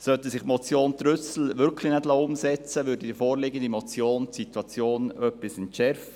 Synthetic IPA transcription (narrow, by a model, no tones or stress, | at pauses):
sœt̪ɛsɪχmɔt͡sjoːnt̪ɾʏsl̩ʋʏɾkʰlinɛdlɑːʊmsɛt͡səʋʏːɾdəd̪ɪfoːɾlɪɡənd̪imɔt͡sjoːntsit̪wɑt͡sjoːnœpɪsɪntʃɛɾf